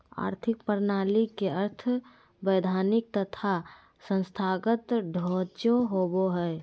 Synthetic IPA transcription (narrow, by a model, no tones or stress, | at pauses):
a̰ːɾt̪ʰɪkpəɾnaːlikeəɾt̪ʰ | bəɪd̪ʱaːnɪk̚t̪ət̪ʰa | sə̃nst̪ʰaːɡət̪ɖʱoːt͡ʃoɦoboɦɛː